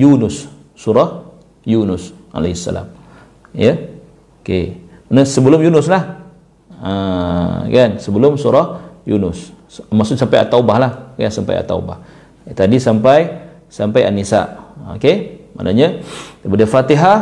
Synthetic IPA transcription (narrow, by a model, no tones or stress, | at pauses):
junʊsː | uɾɔh | junʊsa̰laɦisːa̰la̰m | jə | oke | mənəsəbəlʊmjunʊslah | ə | kansəbəlʊmsuɾɔhjunʊs | masʊsampaja̰t̪aubahlahkansampa̰ja̰t̪a̰ṵba̰h | t̪adisampaj | sampaja̰nːisa̰ʔo̰kema̰nʔaɲat̪əpadəfat̪iɦa